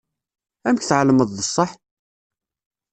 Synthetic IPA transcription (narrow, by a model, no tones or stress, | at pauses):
æmçθʕləməðˤðəsˤːəħ